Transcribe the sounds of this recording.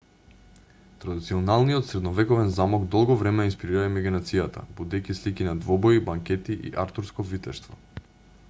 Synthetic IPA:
t̪ɾad̪it̪siɔnalˠnijɔt̪sɾɛd̪nɔvɛkɔvɛnzamɔɡd̪ɔlˠɡɔvɾɛmɛinspiɾiɾaimɛɡɛnat̪sijat̪ʰa̰bud̪ɛjkislikinad̪vɔbɔibaŋkʲɛt̪iʔḭʔaɾt̪uɾskɔvit̪ɛst̪vɔ

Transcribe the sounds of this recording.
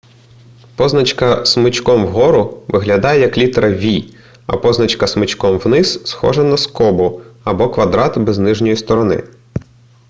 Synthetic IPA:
pɔznɐt͡ʃkɐsmɪt͡ʃkɔmwɦɔɾʊʋɪɦlʲɐd̪ɑjɛjɐklʲit̪ɾɐʋʲi | ɐ̰pɔznɐt͡ʃkɐsmɪt͡ʃkɔmwnɪssxɔ̰ʒɐnɐskɔbʊɐbɔkʋɐd̪ɾɑt̪bɛznɪʒnʲɔjist̪ɔɾɔnɪ̰

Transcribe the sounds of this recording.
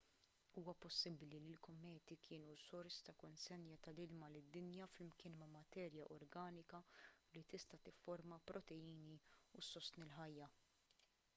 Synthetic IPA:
uːwɐpɔsːɪblililkɔmːɛːt̪ikʰɪːnusɔɾst̪ɐkɔnsɛnjɐt̪ɐlɪlmɐlɪd̪ːɪnjɐflɪmkɪːnmɐmɐt̪ɛːɾjɐʔɔɾɡɐːnɪkɐlit̪ɪst̪ɐt̪ɪfːɔɾmɐpɾɔt̪ɛjiːniusɔst̪nɪlħɐjːɐ

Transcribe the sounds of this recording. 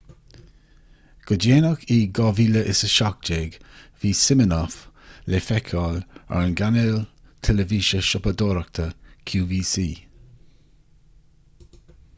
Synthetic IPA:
ɡ̥ədeːnəkiːɡɔviːləʔɪ̰səʃɑk̚d͡ʒeːɡviːsɪmənɔf | lefɛkʰɔːla̰ɹənɡanɛl | t̪ʰɛləviːʃəʃɔpəd̪oːɾək̚t̪ʰəkʰjuːviːsiː

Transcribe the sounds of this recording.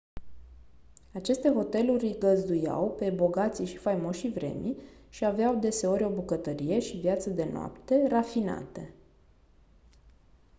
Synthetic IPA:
at͡ʃe̞st̪e̞ɦo̞t̪e̞lurʲɡəzd̪uja̰wpe̞bo̞ɡat̪siʃi̥fajmo̞ʃivɾe̞̰miʃiaveawd̪e̞se̞o̞ɾʲo̞bukət̪əɾije̞ʃivjat̪səd̪e̞noa̰pt̪e̞rafina̰t̪e

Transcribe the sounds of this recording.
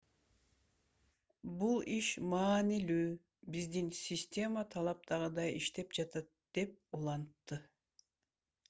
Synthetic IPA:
bulˠiʃmɑːnilyː | bizd̪insʲisʲtʲe̞mat̪ʰɑlˠɑp̚t̪ʰɑʁɯd̪ɑjiʃt̪e̞pd͡ʒɑt̪ɑt̪̚d̪̥e̞p̚ulˠɑnt̪ːɯ

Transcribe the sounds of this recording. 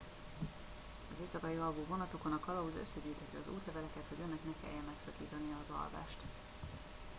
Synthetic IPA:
ɒzeːsɒkɒjiɒlboːvo̞nɒt̪o̞ko̞nɒkɒlɒuzø̞̰sːɛɟyːt̪hɛt̪ːiɒzṵːt̪lɛvɛlɛkɛt̪ho̞ɟønɛknɛkɛ̰jːɛmmɛksɒkḭːt̪ɒnijɒːzɒ̰lva̰ːʃt̪

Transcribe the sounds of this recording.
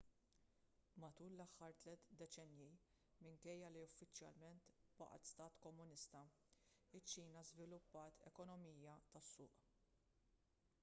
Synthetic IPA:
mɐt̪uːlːɐħːɐɾt̪lɛt̪d̪ɛt͡ʃɛnji | mɪŋkɛjːɐliʊfːɪt͡ʃjɐ̰lmɛnt̪bɐ̰ʔt̪st̪ɐːt̪kɔmːʊnɪst̪ɐ | ɪt͡ʃːiːnɐzvɪlʊpːɐːt̪ʰɛ̰kɔnɔmiːjɐt̪ɐsːʊ̰ːʔ

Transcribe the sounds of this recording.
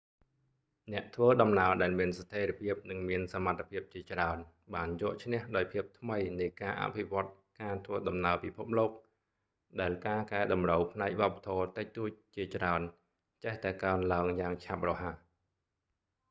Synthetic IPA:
nɛ̆əʔt̪ʰʋəːɗɑmnaəɗaɛlmiənsat̪ʰeːɾiəpʰiəp̚nɨŋmiənsamat̪ʰːe̥pʰiəp̚t͡ɕiət͡ɕraən | ɓaːnjɔəʔt͡ɕʰnɛ̆əhɗaɔjpʰiəp̚t̪ʰməjnɨjkaːʔa̰pʰiʋŏət̪̚ | kaːt̪ʰʋəːɗɑmnaəpipʰup̚loːk̚ | ɗaɛlkaːkaɛɗɑmrəwpʰnaɛk̚ʋɔ̆əp̚ːḁt̪ʰɔːt̪ɨc̚t̪uːc̚t͡ɕiət͡ɕraən | t͡ɕeht̪aɛkaənlaəŋjaːŋt͡ɕʰap̚rɔɦa

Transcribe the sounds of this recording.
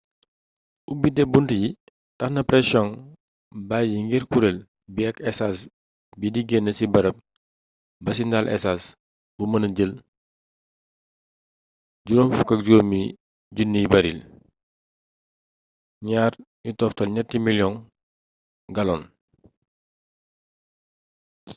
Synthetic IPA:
ubidɛbuntəji | tɐxnɐpɾɛsjɔn | bajiŋɡiɾkuɾel | biɐkɛsas | bidiɡɛnːəsibɐɾɐp̚ | bɐsindalʔɛ̰sas | bumɐnɐɟəl | ɟuɾomfukɐk̚ɟoːmi | ɟunːibɐɾil | ɲaːr | jutɔftɐlɲɐtimiljɔn | ɡɐlɔn

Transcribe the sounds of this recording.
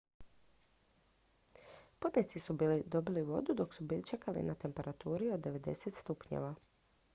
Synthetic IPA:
pod̪net̪sisubiːlid̪o̞biliʋo̞̰d̪ud̪o̞ksubit͡ʃe̞kalḭnat̪e̞mpe̞ɾat̪uːɾio̞d̪ːe̞ʋe̞d̪e̞̰set̪st̪upɲḛʋa

